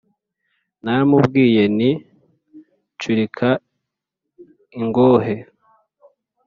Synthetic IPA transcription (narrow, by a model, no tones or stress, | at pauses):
namubɡiːje̞ni | t͡ʃuɾikʰa | iŋɡoːɦe